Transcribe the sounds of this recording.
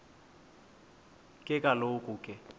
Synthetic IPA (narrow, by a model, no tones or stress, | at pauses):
kʼɪkʼalokʼʊkʼɪ